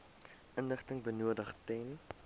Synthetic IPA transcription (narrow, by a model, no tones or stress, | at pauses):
ʔənləχtəŋbənuədəχtɛn